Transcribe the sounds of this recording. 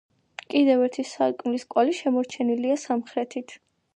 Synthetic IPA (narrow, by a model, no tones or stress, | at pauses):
kʼid̪ɛvɛɾt̪ʰisaɾkʼmliskʼwaliʃɛmɔɾt͡ʃʰɛniliasamχɾɛt̪ʰit̪ʰ